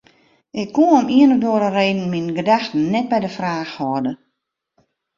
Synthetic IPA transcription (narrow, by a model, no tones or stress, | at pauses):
ʔɪkʰːuɔmiənədoəɾəreːdn̩minɡədaxtn̩ːɛt̚bɛjdəfraːxhɔədə